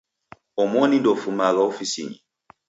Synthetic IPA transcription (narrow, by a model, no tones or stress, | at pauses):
ɔmɔnĩndɔfumaɣaofisiɲi